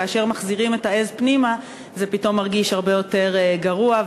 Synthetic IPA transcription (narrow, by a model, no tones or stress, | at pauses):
aːʃe̞ʁmaχziʁime̞tae̞zpnima | zepito̞mːaʁɡiʃhaʁbe̞jo̞te̞ʁɡaʁua